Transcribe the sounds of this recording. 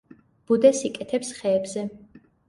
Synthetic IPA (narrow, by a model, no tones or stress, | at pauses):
b̥ud̪ɛsikʼɛt̪ʰɛpsχɛːbzɛ